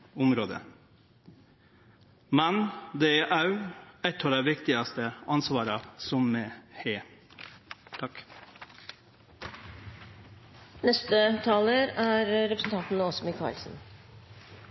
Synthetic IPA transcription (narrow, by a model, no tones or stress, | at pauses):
ʊmɾoːd̪ə̰ | mɛnd̪eeːʔɑʉɛt̪ɔɑd̪æːʋɪkt̪ɪɑst̪əʔɑnsʋɑːɾɑsɔmːeːheː | t̪ʰɑk | nɛst̪ət̪ʰɑːləɾæːɾɾɛpɾəsən̩t̪ɑnt̪n̩ɔsɔmɪkʰɑ̰ːɭsn̩